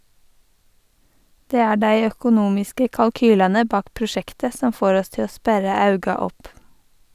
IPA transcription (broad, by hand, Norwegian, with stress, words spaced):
ˈdeː ˈæː ˈɖæɪ œkʊˈnuːmɪskə kɑlˈkyːlɛnə ˈbɑːk pɾʊˈʃɛktə ˈsɔm ˈfoːɾ ˈɔs ˈtɪ ˈoː ˈspæɾə ˈɑʉɡɑ ˈɔp